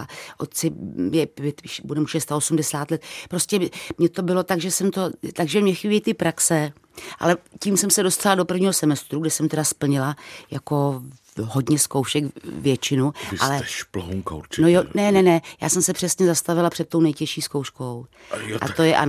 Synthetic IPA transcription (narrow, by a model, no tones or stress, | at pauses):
aʔot̪̚t͡sɪmjɛpɛt̪ʃbudɛmuʃɛst̪aosumdɛsaːt̪lɛt̪pɾoscɛmɲɛt̪o̞bɪlo̞t̪aɡʒɛsɛmt̪o̞t̪aɡʒɛmɲɛxibjɛt̪ɪpɾaksɛ | ʔa̰lɛciːmsɛmsɛdo̞st̪alado̞pr̩vɲiːɦosɛmɛst̪ɾuɡdɛsɛmt̪ɛdaspl̩ɲɪlajako̞ | ɦo̞dɲɛsko̞wʃɛkvjɛt͡ʃɪnuʔa̰lɛplɦomko̰wt͡ʃnojonɛnɛnɛja̰ːsɛmsɛpr̥ɛsɲɛzast̪avɪlapr̥ɛt̪̚t̪ownɛjcɛʃiːskowʃko̞w | ʔa̰t̪ojɛʔa̰n